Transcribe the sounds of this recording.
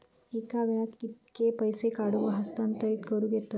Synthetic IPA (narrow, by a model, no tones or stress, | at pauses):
iːkaʋat̪kit̪kepɐjsekaːɽuʋɐɦɐst̪ɐnt̪ɐiʈkoɾuɡet̪ːo